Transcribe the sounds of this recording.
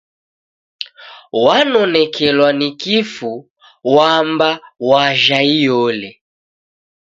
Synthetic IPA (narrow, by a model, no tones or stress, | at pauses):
wanɔnɛkʰɛlwanikifu | wambawaʒaijɔlɛ